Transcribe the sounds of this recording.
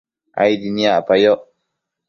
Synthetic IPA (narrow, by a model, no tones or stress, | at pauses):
ʔa̰jdiniapajɔʔ